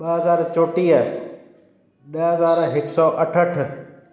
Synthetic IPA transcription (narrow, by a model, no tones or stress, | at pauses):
ɓɐɦɐzaːɾt͡ɕoːʈiaː | ɗəɦɐzaːɾɦɪksɔːʔɐʈʰəʈ̆ʰ